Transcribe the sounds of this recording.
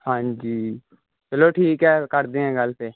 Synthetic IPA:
hãːɲd͡ʒiː | bɪloːʈʰiːkɦɛːkəɾd̪ẽːɦɛ̃ːɡəlseː

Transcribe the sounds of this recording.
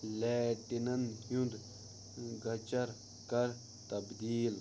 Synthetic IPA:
lɛːʈinɐnjũnd̪ | ɡɐt͡ʃɐɾ | kɐɾ | t̪ɐbd̪iːl

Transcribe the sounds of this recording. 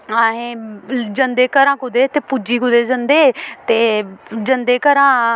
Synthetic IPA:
aːɦẽːd͡ʒə̃nd̪eːkəɾãːkʊd̪eːt̪eːpud͡ʒiːkʊd̪eːd͡ʒə̃nd̪eːt̪eːd͡ʒə̃nd̪eːkəɾãː

